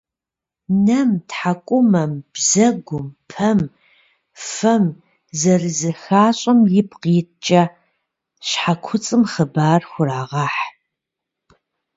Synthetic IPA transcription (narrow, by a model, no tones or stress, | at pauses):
nɐmtħakʷʼʊmɐmb̥zɐɡʷʊmpʰɐm | fɐm | zɐrɨzɐxaːɕʼɐmjɪpqiːt͡ʃʼɐ | ɕħakʷʰʊt͡sʼɨmχəbaːrxʷʊɾaːʁɑːħ